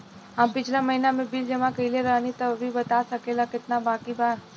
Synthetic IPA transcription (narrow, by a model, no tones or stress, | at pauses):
ɦampɪt͡ʃʰlamɐɦinamẽbild͡ʒɐmãkɐɦileɾəɦnit̪ɐbbʱibɐt̪asɐkelakɪt̪nabaːkibaːɾ